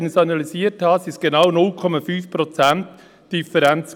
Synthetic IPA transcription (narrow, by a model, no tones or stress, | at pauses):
nəsɑnɑlisiːəɾthɑsɪsɡ̥enaʊnʊlkʰɔmɑfyːfpɾɔt͡sænt | d̥ifəɾɛnt͡s